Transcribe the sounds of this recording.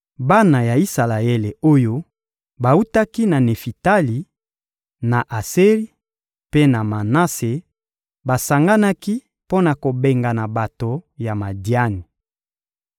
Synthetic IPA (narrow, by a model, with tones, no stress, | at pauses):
ba˦na˨ja˨i˦sa˨la˨e˦le˨o˦jo˦ | ba˨u˦ta˦ki˦na˨ne˨fi˨ta˦li˨ | na˨ʔa˨se˦ʁi˦ | pe˦na˨ma˨na˦se˨ | ba˨sa˨ŋɡa˦na˦ki˦ | po˦na˨ko˨be˨ŋɡa˨na˨ba˨to˨ja˨ma˨dja˦ni˨